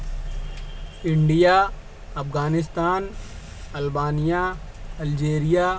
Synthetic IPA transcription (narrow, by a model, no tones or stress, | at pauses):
ɪɳɖijaː | ɐfɣaːnɪs̬t̪aːn | ɐlbaːnija | ɐld͡ʒeːɾijaː